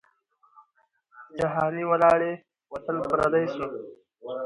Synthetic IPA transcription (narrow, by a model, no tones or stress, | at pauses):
d͡ʒaɦɑːniwɐlɑːɽe | wɐt̪əlpɾa̰d̪ajsu